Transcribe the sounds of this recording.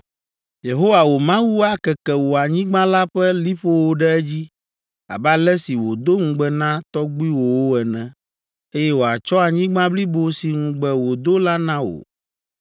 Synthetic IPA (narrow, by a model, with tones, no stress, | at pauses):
je˨ɦo˦wa˨wo˨mã˦wu˦a˦kɛ˨kɛ˨wo˨a˨ɲĩ˦ɡ͡bã˦la˦ɸɛ˦li˦ɸo˦wo˦ɖɛ˦ɛ˦d͡ʑi˦ | a̰˨ba˦lɛ˦si˨wo˨d̪o˦ŋũ˨ɡ͡bɛ˦nã˦t̪ɔ˦ɡ͡bi˦wo˨wo˦ɛ˨nɛ̃˨ | e˦jɛ˦wo˨a˨t͡ʃɔ˦a˨ɲĩ˦ɡ͡bã˦bli˦bo˨si˨ŋũ˨ɡ͡bɛ˨wo˨d̪o˦la˦nã˦wo̰˨